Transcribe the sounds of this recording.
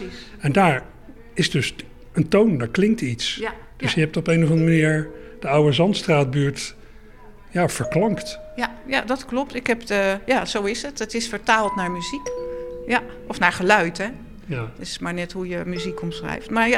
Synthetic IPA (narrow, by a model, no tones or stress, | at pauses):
i | ɛndaːɹ | ɪzdɵs | əntowndaːɹklɪŋk̚tits | d̥ɵsjəɦɛp̚tɔpejnɔvɑndrəmaniːɹ | d̥əʌwəzɑntstraːd̚byːɹt | jaːv̥əɹklɑŋktjajadɑtklɔp̚tɪkɦɛpəjaz̥owɪsətətɪsfəɹtaːlˠtnaːɹmyzikja | ɔfnaːɹχəlœɥtɛ | tɪsmaːɹnɛtɦujəmyzikɔmsrɛ̰jftmaɹja